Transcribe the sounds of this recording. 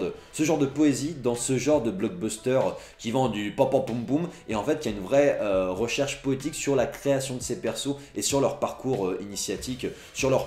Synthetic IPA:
əsəʒɑ̃ʁd̪əpɔezid̪ɑ̃səʒɑ̃ʁd̪əblɔɡ̚bɔst̪œʁkʲivɑ̃d̪ypɑ̃pɑ̃pũmbumeɑ̃fɛt̪̚kʲiaynvʁɛøʁəʃɛʁʃpɔet̪iksyʁlakχeasjɔ̃d̪əsepɛʁsoesyʁlœʁpaʁkuʁøinisjat̪ik | syʁlœʁ

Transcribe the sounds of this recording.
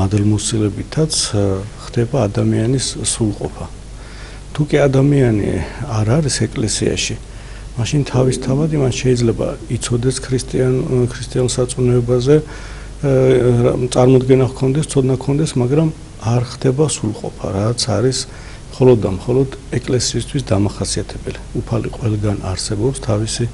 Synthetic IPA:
mad̪lmusilɛbit̪ʰat̪sʰχd̪̥ɛbaːd̪amianisːulˠqʼɔ̰pʰa | t̪ʰukʼiad̪amianḭaɾaɾisɛkʼlɛsia̰ʃi | maʃint̪ʰavist̪ʰavad̪imanʃɛid̪zlɛba̰it̪sʰɔd̪ɛskʰɾist̪ʼiakʰɾist̪ʼiansat̪sʼnɛɛbazɛ | t̪sʼaɾmɔd̪ɡɛnakʰɔnd̪ɛst̪sʰɔd̪nakʰɔnd̪ɛsmaɡɾam | aɾχd̪ɛbasulˠqʼɔ̰pʰa̰ɾat̪sʰaɾis | mχɔlɔd̪ːamχɔlɔd̪ɛkʼlɛsiːst̪ʰwisd̪amaχasiat̪ʰɛbɛliupʰalḭqʼwɛlˠɡana̰ɾsɛbɔpst̪ʰavisi

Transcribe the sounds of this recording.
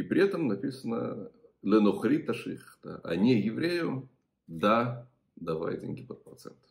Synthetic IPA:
ipɾʲɪɛt̪əmnɐpʲisənə̰ | lʲɪnoχɾʲit̪ːɐʂɨxt̪ə̰ʔa̰nʲejɪvɾʲejʊ | d̪a | d̪ɐva̰jdʲḛnʲɡʲɪpət̪̚prɐt̪sɛ̰nt̪

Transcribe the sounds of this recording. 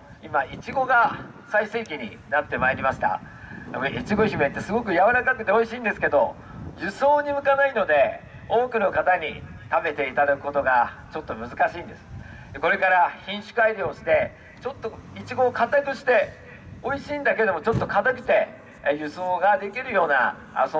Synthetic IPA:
imait͡ɕiɡo̞ɡa | saise̞ːkʲiɲ̟ḭ | nat̪ːe̞maeɾʲimaɕi̥t̪a̰ | it͡ɕiɡo̞çime̞t̪ːe̞sɨɡo̞k̬ɯ̟jaβaɾakakɯ̟t̪e̞o̞iɕiːnd̪e̞sɨ̥ke̞d̪o̞ | jɯ̟so̞ːɲ̟imɯ̟kanaino̞d̪e̞ | o̞ːkɯ̟no̞kat̪aɲ̟ḭ | t̪ame̞t̪e̞it̪ad̪akɯ̟̥ko̞t̪o̞ɡat͡ɕo̞t̪ːo̞mɯ̟zɨkaɕiːnd̪e̞sɨ̥ | d̪e̞ko̞ɾe̞kaɾaçĩɰ̃ɕɨ̥kɯ̟aiɾʲio̞ɕi̥t̪e̞ | t͡ɕo̞t̪ːo̞it͡ɕiɡo̞ːkat̪akɯ̟ɕi̥t̪e̞ | o̞iɕiːnd̪aked̪o̞mo̞t͡ɕo̞t̪ːo̞kat̪akʲi̥t̪e̞ | jɯ̟so̞ːɡad̪e̞kʲiɾɯ̟jo̞ːna̰ | so

